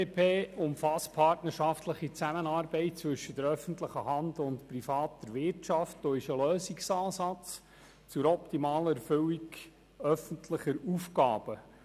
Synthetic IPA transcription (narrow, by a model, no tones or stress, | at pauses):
epʰeːʊmfɑspʰɑrtnəɾʃɑftləχit͡sæmənɑːɾbɛɪt̚t͡sʋɵʃəd̥əɾœfənt̪ləχəhɑnd̪ʊntprifɑːt̪əɾʋɪɾtʃɑftd̥̪oːɪʃəløːsiksɑːsɑt͡s | t͡sʊɾɔptimɑːləɛɾfʏwik | œfəntʰləχəɾufkɑ̰ːb̥ə